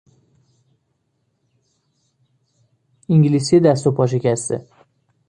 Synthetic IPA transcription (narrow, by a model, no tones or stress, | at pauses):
iŋɟilisijed̪æst̪opʰɒːʃ̬e̞cʰæst̪ḛ